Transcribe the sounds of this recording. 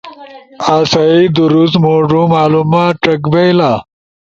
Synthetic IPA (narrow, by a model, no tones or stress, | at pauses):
aːsaid̪uɾusmoːʐũmaːlumaːʈɐkbejlaː